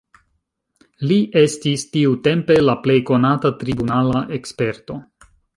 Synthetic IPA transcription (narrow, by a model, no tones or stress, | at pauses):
liʔe̞stistiute̞mpe̞laple̞jko̞natatɾibunalaʔe̞kspe̞ɾto̞